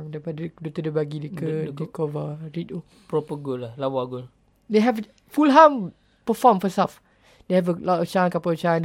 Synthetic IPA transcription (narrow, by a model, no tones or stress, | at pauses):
ŋdaipadədot̪ədəbaɡidikəikɔvəɹito | pɾopəɡolahlawaɡol | deɦɛv | fulɦãm | pəfɔmfɔsaf | dehɛvəlɔtɔft͡ʃankapat͡ʃãn